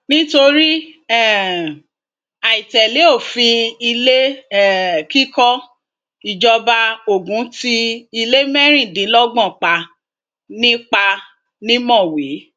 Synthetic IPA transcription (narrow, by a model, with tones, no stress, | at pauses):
nĩ˦to˧ɾi˦ɛ˦˨ | a˨i˨tɛ˨le˨˦o˦˨fĩ˧i˧le˦ɛ˦˨ki˦kɔ˦ | i˨d͡ʒɔ˧ba˧o˨ɡũ˨˦ti˦i˧le˦mɛ˦ɾ̃ĩ˦˨dĩ˨˦lɔ˦ɡ͡bɔ̃˦˨k͡pa˧ | nĩ˦k͡pa˧ | nĩ˦mɔ̃˦˨wi˨˦